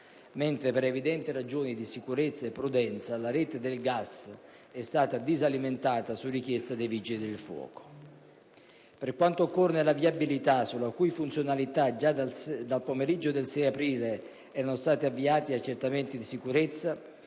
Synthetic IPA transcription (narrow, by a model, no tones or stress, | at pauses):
mɛnt̪ɾepeɾevid̪ɛnt̪iɾad͡ʒoːnid̪isikuɾet̪sːaepːɾud̪ɛnt̪salaɾɛːt̪ed̪elɡas | ɛst̪aːt̪ad̪izaliment̪aːt̪asurːik̟jɛst̪ad̪evid͡ʒilid̪elfwɔ̰ːko̥ | perkwant̪oːkːornelaviabilit̪asulakujfunt̪sjonalit̪ad͡ʒad̪alpomeɾid͡ʒːod̪elsɛjapɾiːle | ɛːɾanost̪aːt̪iavːiaːt̪iat͡ʃːert̪ament̪id̪isikuɾet̪sːa